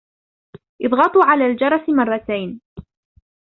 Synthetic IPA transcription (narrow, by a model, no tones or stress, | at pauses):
ʔɨðˤɣɑt̪ˤuʕalaːld͡ʒɑɾˤɑsmɑrˤːɑt̪ajn